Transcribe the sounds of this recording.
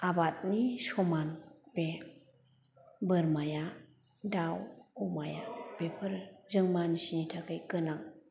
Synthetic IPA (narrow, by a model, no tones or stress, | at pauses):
abat̚nisɔmanpe | bɯɾmaja | dawɔmaja̰b̥epʰɯɾzɯŋmanisinitʰakɯjkɯnaŋ